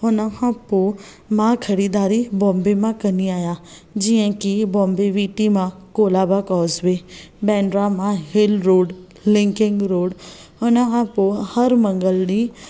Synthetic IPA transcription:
ʊnəkʰãpo | mãkʰɐɾiːd̪aːɾibɔ̃ːmbemãkəniaːja | d͡ʒiə̃kibɔ̃ːmbeʋiːʈimãkoːlaːbakɔːzʋebɛːɳɖɾamãɦɪlɾoːɽ | lɪ̃ŋkɪ̃ŋɡɾoːɽ | ʊnəkʰãpohəɾmə̃ŋɡəlnĩ

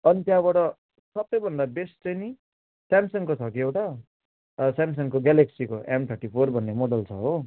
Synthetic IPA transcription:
ʌnit̪jãbʌʈʌ | sʌbʌjbʱʌnd̪abest͡sʌjni | samsʌŋkot͡sʰʌkiewʈa | sams̬ʌŋkoɡaleksikoʔemt̪ʰʌrʈipʰorbʱʌnːemoɽʌlt͡sʰʌ̰ɦo

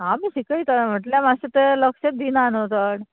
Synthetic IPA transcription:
ɦamiːɕikəjt̪am̤əʈljamaɕet̪eləkɕet̚d̪inanot̪əɽ

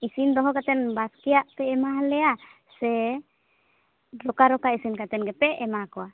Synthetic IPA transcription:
isind̪ɔɦɔkat̪ɛnbaskɛaʔp̪ɛːmaɦlɛasɛ | ɾɔkaɾɔkaisinkat̪ɛnɡɛpɛɛmakɔa

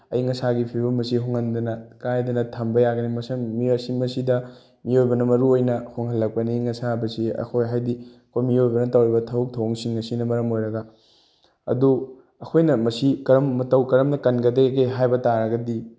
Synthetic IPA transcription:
ɐjŋɐsaɡipʰibɐmɐsiɦoŋɐndɐnɐkajdɐnɐtʰɐmbɐjaɡɐnimɐsɐmːiosimɐsidɐ | miojbɐnɐmɐɾuojnɐhoŋɦɐlːɐk̚pɐniŋɐsabɐsiɐ̰kʰojɦajdiɐkʰojmiojbɐnɐtɐwɾibɐtʰɐuk̚tʰɐwŋsiŋŋɐsinɐmɐɾɐmojɾɐɡɐ | ɐ̰du | ɐkʰojnɐmɐsikɐɾɐmːɐtɐwkɐɾɐmnɐkɐnɡɐdekejɦajbɐtaɾɐɡɐdi

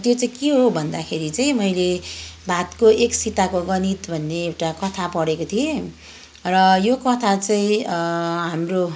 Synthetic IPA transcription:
t̪jot͡saĩkiɦobʱʌnd̪akʰeɾit͡saĩmʌjlebʱat̪koʔeksit̪akoɡʌnit̪bʱʌnːeːwʈakʌt̪ʰapʌɽekot̪ʰije | rʌjokʌt̪ʰat͡saĩ | ɦamro

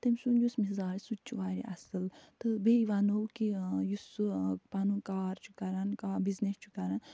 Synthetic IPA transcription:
t̪emsunjusmizaːɾsut͡ʃʰuʋaːɾḭʔɐ̰sɨlt̪ɨbeiʋɐnowkijusupanukaːɾt͡ʃʰu̥kɐɾɐnkabiznest͡ʃʰu̥kɐɾɐn

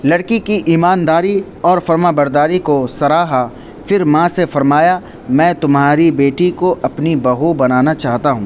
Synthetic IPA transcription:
lɐɽkikiʔiːmaːnd̪aːɾi | ɔːɾfɐɾmaːbɐɾd̪aːɾikosɐɾaːɦa | fɪɾmãsefɐɾmaːja | mɛ̃ːt̪ʊmɦaːɾibeːʈikoʔɐpnibɐɦubɐnaːnat͡ʃaːɦt̪aɦũː

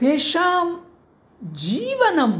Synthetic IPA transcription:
eːʃaːm | d͡ʒiːʋɐnɐm

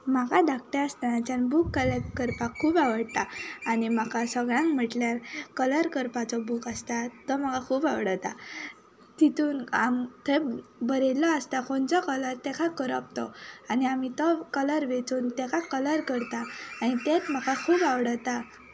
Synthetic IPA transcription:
makad̪akʈ̪aəst̪anat͡ɕanbukːələkəɾpakʰuːbaʋəɽt̪aːnimakʰasəɡɭãŋkm̤əʈljaɾkələɾkəɾpat͡sɔbukast̪at̪ɔmakakʰuːbaʋɽət̪a | t̪it̪uːnamt̪ʰebəɾelːɔəst̪akoɳt͡sɔkələɾt̪ɛkʰakəɾə̰pt̪ɔ̰aniamit̪ɔkələɾʋet͡suːnt̪ɛ̃kʰakələɾkəɾt̪aːnit̪et̪m̤akʰakʰuːbaʋɽət̪a

